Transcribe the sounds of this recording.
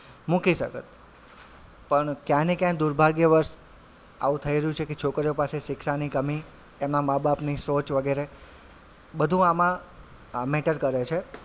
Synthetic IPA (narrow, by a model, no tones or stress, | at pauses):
mũkiʃəkət̪ | pəɳkjãnikjãd̪uɾbʱaɡjəʋəɾʃ | a̰ũt̪ʰəiɾəjũt͡ʃʰeket͡ʃʰokɾijopaseʃɪkʃanikəmi | t̪emnamabapnisot͡ʃʋəɡeɾe | bəd̪ʱũamã | meʈəɾkəɾet͡ʃʰe